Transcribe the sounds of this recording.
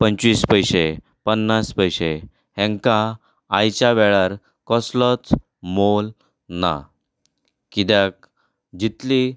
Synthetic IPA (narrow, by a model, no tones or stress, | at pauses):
pəɲt͡ɕʋiːspəjɕe | pənːaspəjɕe | hẽŋkaː | jt͡ɕaʋɛɭaɾ | kɔslət͡s | mol | na̰ | kid̪jak̚ | d͡ʑit̪li